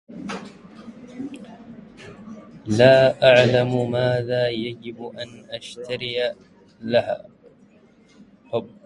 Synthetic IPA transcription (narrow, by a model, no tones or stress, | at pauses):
laːʔaʕlammaːðaːjad͡ʒɪbʔanʔaʃt̪aɾɪja | laha̰ː